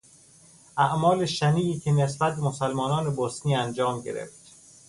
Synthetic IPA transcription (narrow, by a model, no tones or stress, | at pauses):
ʔæʔmɒːleʃæniːiːcʰenesbæt̪̚bemosælmɒːnɒːnebosniːænd͡ʒɒːmɟeɾḛft̪